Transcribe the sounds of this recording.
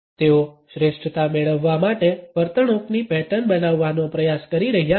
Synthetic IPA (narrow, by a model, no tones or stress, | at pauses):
t̪eoʃɾeʃʈət̪ameɭəʋːamaʈeʋəɾt̪əɳoknipɛʈənbənaʋːanopɾəjaskəɾiɾəɦja